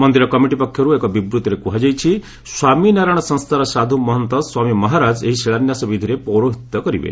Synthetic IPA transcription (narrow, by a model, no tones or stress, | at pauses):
mɔnd̪iɾɔkɔmiʈipɔkʰːjɔɾuekɔbibɾut̪ɔɾekuɦad͡ʒajt͡ʃʰi | swaminaɾaɽ̃ɔsɔ̃nst̪ʰaɾɔsad̪ʱumɔɦɔnt̪ɔswamimɔɦaɾad͡ʒḛɦiseɭanjasɔbid̪ʱiɾepɔɾoɦit̪ːɔkɔɾḭbḛ